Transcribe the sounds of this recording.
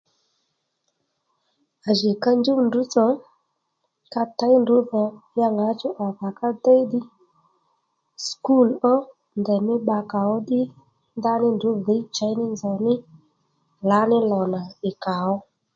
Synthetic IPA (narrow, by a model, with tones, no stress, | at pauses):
a˨ʒi˨ka˧nd͡ʒu˦ndu˨˦t͡sɔ˨ | ka˧ta˨˦ndu˨˦ðɔ˨ja˧ŋa˨˦t͡ʃɔ˦ʔa˨ka˨ka˦de˦jdɪ˦ | sku˦˨lɔ˦ | ndɛ˨mɪ˦ɓa˧ka˨ɔ˦ɗɪ˦ | nda˦nɪ˦ndu˨˦ði˨˦t͡ʃa˨˦jnɪ˦nzɔ˨nɪ˦ | la˨˦nɪ˦lɔ˨na˨ɪ˨ka˨ɔ˦